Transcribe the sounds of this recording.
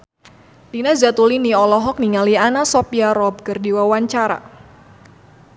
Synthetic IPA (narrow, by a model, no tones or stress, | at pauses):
dinazat̪uliniɔlɔɦɔk̚niŋalianasɔpiaɾɔb̚kərdiwawaɲt͡ʃaɾa̰